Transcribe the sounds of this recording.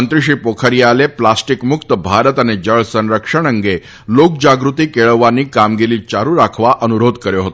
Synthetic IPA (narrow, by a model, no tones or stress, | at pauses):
ənt̪ɾiɕiːpokʰəɾjaleplasʈikmukt̪əbʱaɾət̪aned͡ʑəɭsə̃nɾəkʂəɳ̃əŋɡe | lok̚d͡ʑaɡɾut̪iːkeɭəʋːanːiːkamɡeliːt͡ɕaɾũɾakʰʋaʔənuɾod̪kəɾjoɦot̪o